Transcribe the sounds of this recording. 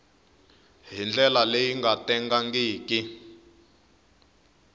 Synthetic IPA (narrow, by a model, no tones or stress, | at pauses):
ɦind͡ɮɛlalejiŋɡatɛŋɡaŋɡiːki